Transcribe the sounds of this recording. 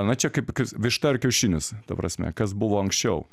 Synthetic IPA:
ɐnɐt͡ʃʲɛkɐɪpkɐsʋʲɪʃt̪ɐɾkʲɛʊʃʲiːnʲɪst̪ɐpɾɐ̰sʲmʲɛ̰kɐs̬bʊʋoːɐŋksʲt͡ʃʲɛʊ

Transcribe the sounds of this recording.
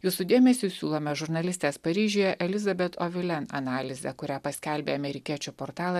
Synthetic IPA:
juːsʊd̪ʲeːmʲɛsʲuːsʲuːlˠoːmʲɛʒʊɾnɐlʲɪst̪ʲeːspɐɾʲiːʒʲoːjɛʔɛlʲɪzɐbʲɛt̪oʋʲɪlʲɛnɐ̰nɑːlʲɪzʲɛkʊɾʲæːpɐsʲkʲælʲbʲeːɐmʲɛɾʲɪkʲiɛt͡ʃʲʊpoːɾt̪ɑːlˠɐ

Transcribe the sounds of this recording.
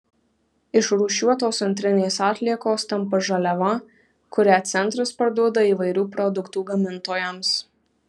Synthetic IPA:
ɪʃɾuːʃʲuɔt̪oːsɐnʲt̪ʲɾʲɪnʲeːsɑːt̪ʲlʲiɛkoːst̪ʲɐmpɐʒɐlʲɛʋɐ | kʊɾʲæːt̪sʲɛnˑt̪ɾɐspɐɾd̪uɔd̪ɐiːʋɐɪɾʲuːpɾɔd̪ʊkt̪uːɡɐmʲɪnt̪oːjɛms

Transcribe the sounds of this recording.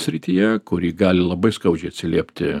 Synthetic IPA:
sʲɾʲɪt̪ʲiːjɛkʊɾʲiːɡɑːlʲɪlˠɐbɐɪskɐʊd͡ʒʲɛɪɐt̪sʲɪlʲiɛpʲt̪ʲɪ

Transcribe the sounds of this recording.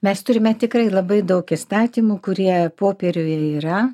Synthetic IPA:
mʲɛst̪ʊɾʲɪmʲɛt̪ʲɪkɾɐɪlˠɐbɐɪd̪ɐʊkɪst̪ɑːt̪ʲiːmuːkʊɾʲiɛpoːpʲɛɾʲʊjɛiːɾɐ

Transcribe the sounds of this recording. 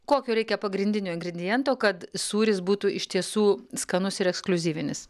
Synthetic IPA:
koːkʲuːɾʲɛɪkʲɛpɐɡɾʲɪnʲd̪ʲɪnʲuːɪŋɡɾʲɛd̪ʲɪjɛnt̪oːkɐt̪suːɾʲɪsbuːt̪uʔɪʃʲt̪ʲiɛsuːskɐnʊsɪɾɛksklʲʊzʲiːʋʲɪnʲɪs

